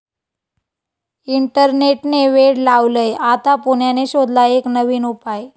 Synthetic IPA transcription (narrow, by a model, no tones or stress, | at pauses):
iɳʈəɾneʈneʋeɽlaʋləjat̪apoɳjaneɕod̪ʱlaeknəʋiːnupaj